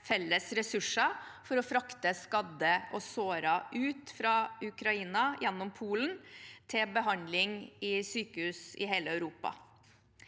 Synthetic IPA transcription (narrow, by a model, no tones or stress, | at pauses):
fɛlːəsɾɛsʉʂəfɔɾɔfɾɑkt̪əskɑd̪əʔɔsoːɾɑʔʉːt̪fɾɑʉkɾɑiːnɑjɛnːɔmpʰuːlənt̪ʰɪbəɦɑnd̪lɪŋɪsyːkəhʉːsɪ̰ɦeːləœʉɾuːpɑ̰